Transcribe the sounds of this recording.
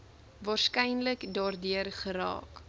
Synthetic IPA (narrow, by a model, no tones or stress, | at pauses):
vɑːrskɛjnləkdɑːrdiərχəɾɑ̰ːk